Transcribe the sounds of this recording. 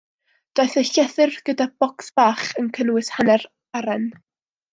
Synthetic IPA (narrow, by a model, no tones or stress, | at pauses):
d̥oɨθəɬɛθɨrɡ̥ədab̥ɔksb̥aːχənkʰənwɨshanɛr | aɾɛn